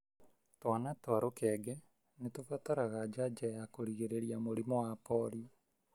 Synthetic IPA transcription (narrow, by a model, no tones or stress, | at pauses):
twanatwaɾokɛɡɛ | netofataɾaɣad͡ʒad͡ʒajakoɾiɣeɾeɾiamoɾimɔwapɔɾi